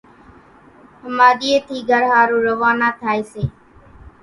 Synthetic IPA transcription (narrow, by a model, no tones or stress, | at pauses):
həmaːɗ̪iːeːt̪ʰiːɡʱəɾɦaːɾũːɾəʋaːnaːt̪ʰaːeːseː